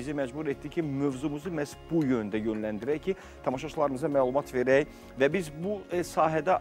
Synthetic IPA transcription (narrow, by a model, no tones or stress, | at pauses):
izimæd͡ʒbuɾet̪d̪icʰimø̞vzumuzɯmæsbujønd̪æjønlænd̪iɾæjcʰi | t̪ʰɑmɑʃɑt͡ʃʰlˠɑɾɯmɯzɑmæːlˠumɑt̪ʰve̞ɾæj | væbizbusɑːɦæd̪æ